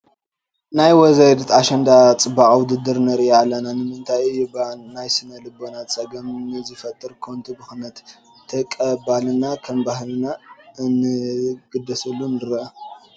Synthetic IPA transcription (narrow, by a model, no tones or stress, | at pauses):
najwɔzajd̪ɨt̪aʃɐnd̪at͡sʼɨbakʼawʊd̪ɨd̪ɨɾnɐɾialːɐnanɨmɨnt̪ʰajɨjɪbalːajsɨnɐlɨbːo̞nat͡sʼɐɡɐmnɨzɨfɐt̪ʼːɨɾkʰo̞nt̪ʰubɨxnɐt̪ʰː | ɐkʼɐbalɨnakʰɐmbahlnaɨnɨɡ̥ɨd̪ːɐsɐlːunɨɾɐʔɐ